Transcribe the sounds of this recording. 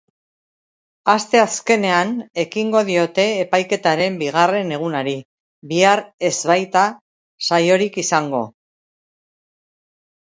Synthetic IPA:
ast̪e̞aske̞ne̞ane̞kiŋɡo̞ðio̞t̪e̞ːpajke̞t̪aɾe̞mbiɣ̞are̞ne̞ɣ̞unaɾi | βiaɾe̞zβajt̪a | sajo̞ɾikisaŋɡo̞̰

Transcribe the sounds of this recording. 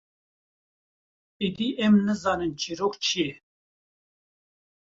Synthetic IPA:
id̪iʔɛmnɨzɑːnɨnt͡ʃʰiɾoːkt͡ʃʰijɛ

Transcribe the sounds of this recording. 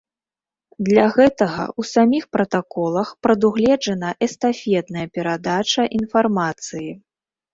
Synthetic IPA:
d̪lʲɐɣɛt̪ɐɣɐ̰usamʲixpɾɐt̪akɔlˠɐxpɾɐd̪uɣlʲɛd͡ʐɐnɐʔɛst̪afʲɛd̪nɐjɐpʲɛɾad̪at͡ʂɐʔinfarmat̪sɨji

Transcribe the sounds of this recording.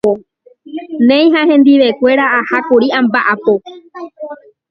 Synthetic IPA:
o | nẽj̃ɦãhẽnd̪iʋe̞kʷe̞ɾaahakuɾiambaʔapo

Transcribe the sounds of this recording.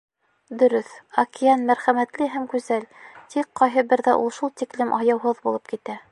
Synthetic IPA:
d̪ɵ̆ɾɵθɐkijɑnmæɾχæmæt̪lɘɦæmkʉzælt̪ʰiqqːɑjɦɤbɘɾðæʔulˠʃulˠt̪iklɘmʔɑjɑwɦɤðbulˠɤp̚kit̪æ

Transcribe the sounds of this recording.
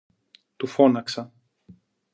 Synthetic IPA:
t̪ufo̞nɐksɐ

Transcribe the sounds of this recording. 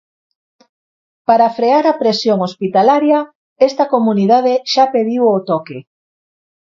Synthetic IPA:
paɾafɾeaɾɐpɾesjoŋospit̪alaɾjɐ | ɛst̪ɐkomuniðað̞eʃapeðiwot̪ɔke

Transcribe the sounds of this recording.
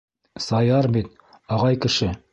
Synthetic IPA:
sɑjɑɾbit̪ | ɑʁɑjkɘ̆ʃɘ

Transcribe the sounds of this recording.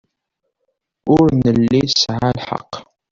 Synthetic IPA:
ʊɾnəlːisʕalħɑ̰qː

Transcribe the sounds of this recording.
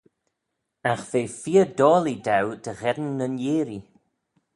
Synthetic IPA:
axveːfiəd̪ɔːlidawd̪̥əɣɛdnːənjeːɾi

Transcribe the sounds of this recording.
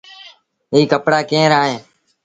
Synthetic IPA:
ɦiːkəpɽaːkẽːɾaːɦẽː

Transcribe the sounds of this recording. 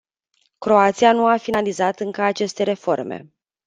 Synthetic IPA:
kɾo̞at̪sijanuafinalizat̪ɨŋkəat͡ʃe̞st̪e̞ɾe̞fo̞rmḛ

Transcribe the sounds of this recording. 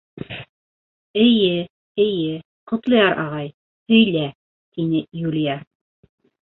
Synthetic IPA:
ɘ̆jɘ | ɘ̆jɘ | qŏt̪lˠɤ̆jɑɾʔɑ̰ʁɑj | hɵ̆jlæ | t̪inɘjulʲija

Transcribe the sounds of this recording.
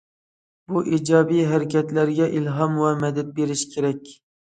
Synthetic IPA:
buʔid͡ʒɑbijɦæɾɪkʲʰɛt̪læɾɡʲɛʔilɦɑmwɛmɛd̪ɛt̪̚beɾɪʃkʲʰeɾɛkʲ

